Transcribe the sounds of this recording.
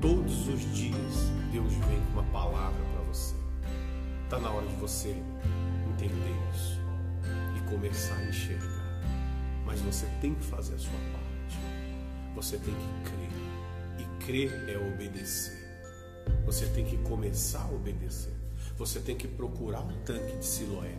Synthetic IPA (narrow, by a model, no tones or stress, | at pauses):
t̪od̪ʊzʊzd͡ʒiɐsd̪ewzvẽj̃ũmɐpalavɾɐpɾɐvose | t̪anɐɔɾɐd͡ʒɪvose | ẽnt̪ẽnd̪eɾisʊ̥ | ɪkõmesaɾẽʃeɾɡa̰ɾmɐzvoset̪ẽj̃kɪfazeɾɐsuɐpaɾt͡ʃɪ̥voset̪ẽj̃kɪkɾeɾɪkɾeɾɛobed̪eseɾ | voset̪ẽj̃kɪkomesaɾɐobed̪esḛɾvoset̪ẽj̃kɪpɾokuɾaɾũt̪ɐ̃kɪd͡ʒɪsiloɛ